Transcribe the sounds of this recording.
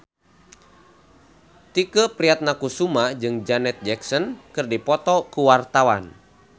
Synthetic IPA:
t̪ikəpɾiat̪̚nakusumad͡ʒɨŋd͡ʒanɛt̪̚d͡ʒɛksɔnkɨrdipɔt̪ɔkuwart̪awan

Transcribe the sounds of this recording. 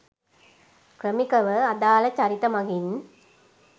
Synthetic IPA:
kɾəmikɐʋəɐd̪aːlɐt͡ɕɐɾit̪ɐmɐɡin

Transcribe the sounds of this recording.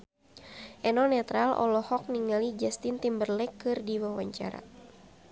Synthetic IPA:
ʔɛnɔnɛt̪ɾalɔ̰lɔhɔk̚niŋalid͡ʒast̪int̪imbərlɛkːɨrdiwawa̰ɲt͡ʃa̰ɾa̰

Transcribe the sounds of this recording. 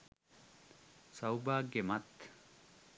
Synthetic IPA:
sɐwbaːɡemɐt̪

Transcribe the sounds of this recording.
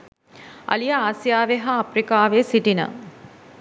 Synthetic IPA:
ɐ̰lijaaːsijaːʋeɦaɐprikaːʋesiʈinə̰

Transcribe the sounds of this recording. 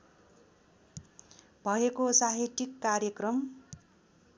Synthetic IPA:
bʱʌekosaɦiʈikːaɾjʌkrʌm

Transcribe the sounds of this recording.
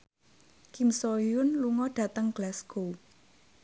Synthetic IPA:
kimsoijʊnluŋɔɖ̥ä̤t̪əŋɡ̥lasɡ̥o

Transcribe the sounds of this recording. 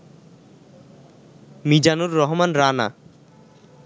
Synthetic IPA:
mid͡ʑanuɾːɔɦmanɾana̰

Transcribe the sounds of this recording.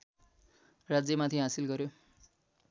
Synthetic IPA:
rad͡zjʌmat̪ʰiɦasilɡʌɾjo

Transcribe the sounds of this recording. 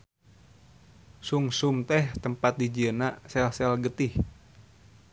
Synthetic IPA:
suŋsumt̪ɛht̪əmpat̪̚did͡ʒiənasɛlsɛlɡət̪ɪh

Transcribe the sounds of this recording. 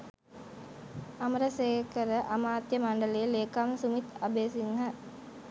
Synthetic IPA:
ɐmɾɐseːkəɾəʔɐmaːt̪jəmaɳɖəleːleːkamsumit̪ɐbeːsiŋɦa

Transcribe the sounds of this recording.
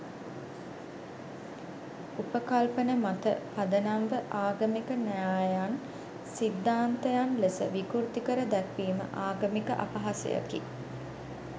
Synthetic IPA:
upəkalpənəmat̪əpad̪ənamʋəʔaːɡəmikənɛjaːjan | sid̪ːaːnt̪əjanlesə̰ʋikuɾt̪ikəɾəd̪ɛkʋiːmə̰ʔaːɡəmikəʔa̰paɦasə̰ja̰kḭ

